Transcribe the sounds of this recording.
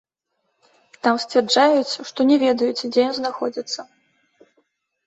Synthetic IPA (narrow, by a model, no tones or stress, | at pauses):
t̪amsʲt͡sʲvʲɛrd͡ʐajut͡sʲʂt̪ɔnʲɛvʲɛd̪ɐjut͡sʲd͡zʲɛjɔnznaxɔd͡zʲɐt̪sːɐ